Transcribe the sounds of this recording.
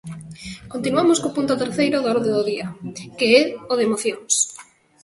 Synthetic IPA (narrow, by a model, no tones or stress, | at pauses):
kont̪inuamoskopunt̪ʊt̪eɾθejɾʊðaɾðeðʊðiɐkeɛʊðemoθjoŋs